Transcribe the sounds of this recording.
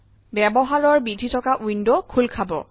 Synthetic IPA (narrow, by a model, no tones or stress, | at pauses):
bɛbɔɦaɹɔɹbidʱitʰɔkaʔujndokʰulkʰabɔ̰